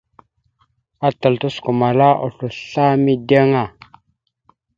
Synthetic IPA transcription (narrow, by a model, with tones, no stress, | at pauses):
a˦tə˨ltu˦sku˨ma˨la˦ʔo̰˨ɬu˨ɬa˦mi˦də˦ŋa˨